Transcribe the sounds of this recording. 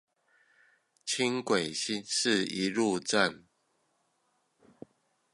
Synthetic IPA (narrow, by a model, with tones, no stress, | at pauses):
t͡ɕʰi˦ŋkwe˨˩ɪɕi˦nʂ̩˥˨i˨˦lu˥˧t͡sa˥˨n